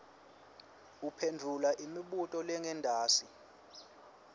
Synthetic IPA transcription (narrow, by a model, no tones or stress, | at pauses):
upʰendʱulaʔimiɓutʼɔlɛŋɛndʱaːsi